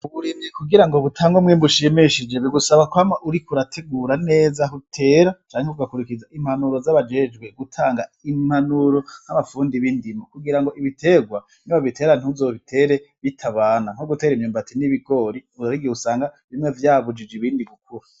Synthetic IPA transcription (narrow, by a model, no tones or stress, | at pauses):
uβuɾimekuɡiɾaŋɡoβutʰaːŋɡomŋeːmbuʃimiʃid͡ʒeβiɡusaβakwamaʔuɾikuɾatʰe̞ɡuːɾane̞ːzaɦutʰe̞ːɾat͡ʃaːŋheuɡakuɾikizaʔim̥hanuɾo̞zaβad͡ʒe̞d͡ʒɡweɡutʰaːŋɡaim̥hanuɾo̞nhamafuːndiβindimokuɡiɾaŋɡo̞ʔiβitʰe̞ɡwa | niβaβitʰe̞ːɾan̥uzoβitʰe̞ɾe̞βitʰaβaːnaŋ̥oɡute̞ːɾimɲuːmbatʰiniβiɡo̞ɾiuɾaɾiɡiusaːŋɡaβimŋe̞vjaːβud͡ʒid͡ʒiβiːndiɡukuɾa